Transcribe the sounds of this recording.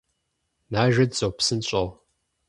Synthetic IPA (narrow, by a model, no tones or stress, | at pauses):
naːʒɐdzowpsɨnɕʼɐʁ